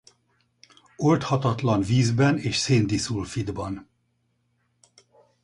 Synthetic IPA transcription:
olt̪hɒt̪ɒt̪lɒnviːzbɛneːʃseːnd̪isulfid̪bɒn

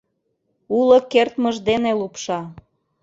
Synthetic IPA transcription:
ulokert̪məʒd̪enelupʃɑ

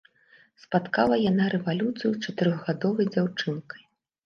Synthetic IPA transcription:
spat̪kalˠɐjanaɾɛvalʲut̪sɨjut͡ʂat̪ɨɾɔɣɣad̪ɔvɐjd͡zʲawt͡ʂɨnkɐ̥j

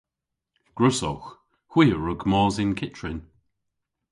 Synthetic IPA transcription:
ɡ̥ɹʊsowx | hw̥iːəɹʊɡmɔːzɪnkʰɪtʰɹɪn

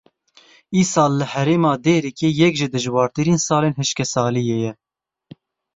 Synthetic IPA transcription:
iːsɑːlːɨhɛɾeːmɑːd̪eːɾikʰeːjɛkʒɨd̪ɨʒwɑːɾt̪ɨɾiːnsɑːleːnɦɨʃkɛsɑːlijejɛ

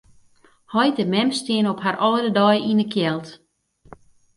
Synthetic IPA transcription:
hɔjtəmɛmstɪənɔphaɾɔːdədɔjinəkʰjɛlˠt

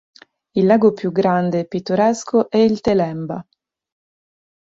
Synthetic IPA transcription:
ilːaːɡopjuɡɾand̪eːpːit̪ːoɾɛskʰoʔɛilt̪elɛmba

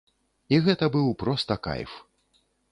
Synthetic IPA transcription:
iɣɛt̪ɐbɨwpɾɔst̪ɐka̰jf

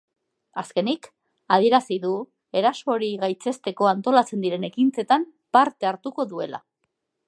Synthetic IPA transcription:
aske̞nik | aðie̞ɾasiðu | e̞ɾaso̞ɾiɣajt͡se̞st̪e̞ko̞ant̪o̞lat͡se̞nd̪iɾe̞ne̞kint͡se̞t̪am | paɾt̪e̞aɾt̪uko̞ðue̞la̰

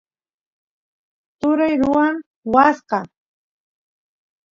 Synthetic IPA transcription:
t̪ʊɾajɾʊwaŋ | wasqɑ

